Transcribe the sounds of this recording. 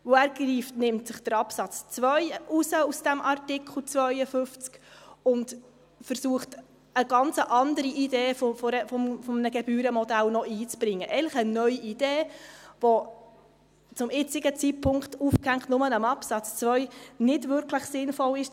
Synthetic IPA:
ʋʊæːɾɡriːftnɪmtsɪχd̥əɾɑpsɑt͡st͡sʋœʏusəusd̥æmʔɑɾtɪkʰl̩ˠt͡svœʏəfʏft͡skʊnt | fəɾsuəχt | əɡɑnt͡səʔɑndəɾiʔideːffɔɾəfɔmfɔmnəɡɛbyːɾəmɔdælnɔiːt͡sb̥ɾɪŋːəʔɛɪnləχənœʏjiid̥eːʋɔ | t͡sʊmɪt͡sɪɡət͡sit̚pʰʊŋktufkæŋχtnʊmənəmɑpsɑt͡st͡sʋœʏnɪdvʏɾkʰləχsɪnfɔlɪʃ

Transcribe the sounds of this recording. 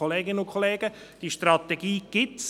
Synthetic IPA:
oleːɡɪnəʊkʰoleːɡ̥ə | d̥iʃtrɑt̪ɛɡiːɡ̥ɪts

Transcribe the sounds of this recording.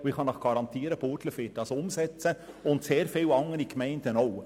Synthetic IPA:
ʊɪχhɑnɑχɡ̥ɑɾɑnt̪iːəɾəpotləfeːt̚d̥ɑsʊmsɛt͡sə | ʊntseːɾfɪlɑŋːəɾikmɛɪnd̥ənoʊ

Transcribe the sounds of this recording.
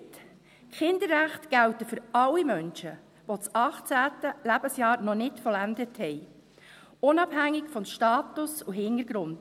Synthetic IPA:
t | kχɪnd̪əɾːæχtɡ̥æwtəfʏɾɑlːimœnʃə | ʋot͡sɑχt͡sæːtəlæbəsjɑːɾnɔnɪtfɔlænd̪əthɛj | ʊnɑbhæŋːɪkfɔnʃtɑːtʊsuɦɪnəɾɡ̥ɾʊnd̥

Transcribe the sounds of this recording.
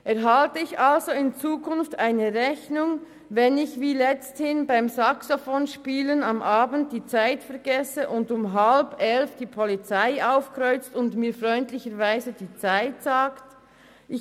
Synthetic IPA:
ʔɛɐʁɦaltəɪçalzoɪnt͡suːkʰʊnftaɪnəʁɛçnʊŋ | vɛnɪçviːlɛt͡sthɪnbaɪmsaksofoːnʃpiːlənɑmʔaːbn̩t̚d̥iːt͡saɪtfɛɐɡɛsəʔʊndʊmɦalbɛlfd̥iːpʰɔlit͡saɪʔaʊfkʁɔʏt͡stʊndmiːfʁɔʏntlɪçəɾvaɪzəd̥iːt͡saɪtsaːkt | ʔɪ

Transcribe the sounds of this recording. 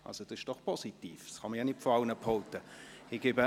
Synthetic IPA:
ʔɑ̰lsod̥ɑɪʃd̥ɔχpʰɔsitiːfsχɑməjɑnɪtfɔɑʊnəpʰɔlt̪əɪɡ̥ɪbə

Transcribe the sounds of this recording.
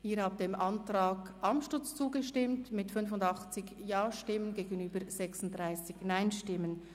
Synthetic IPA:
ʔiːɾhaːp̚d̥eːmʔɑntraːɡʔɑmʃtʊt͡st͡suːɡəʃtɪmtmɪtfʏnfʊndɑχt͡sɪçjaːʃtɪmənɡeːɡənyːbəɾz̥ɛksʊnt̚d̥ʁaɪsɪçnaɪnʃtɪmən

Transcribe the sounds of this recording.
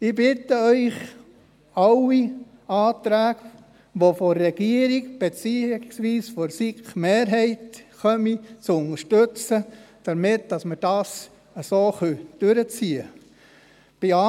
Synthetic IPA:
ɪbɪtəœʏχ | ɑwi | ɑːtɾæːɡ | ʋoforːɛɡ̥iəɾikb̥et͡siːsʋiːsfoɾsikχmeːɾɦɛɪtχœmit͡sʊnəʃtøt͡səd̥əɾmɪt̚d̥ɑsməd̥ɑs | əsoːχœd̥øɾət͡siːə | b̥iɑ

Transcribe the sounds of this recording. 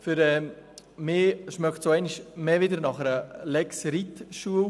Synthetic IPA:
fʏɾɛmɪːʃmœkχtsoɛɪniʃmeːvɪdəɾnɑχəɾəlɛksɾit̪ʃuə

